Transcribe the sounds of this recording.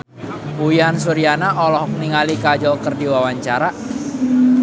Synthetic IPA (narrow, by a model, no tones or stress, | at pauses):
uiansuɾianaʔɔlɔhɔk̚niŋalikad͡ʒɔlkərdiwawaɲt͡ʃaɾa